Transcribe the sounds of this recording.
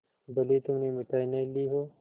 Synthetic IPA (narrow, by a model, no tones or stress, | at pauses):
bɐlet̪ʊmnemɪʈaːinɐiliːɦoː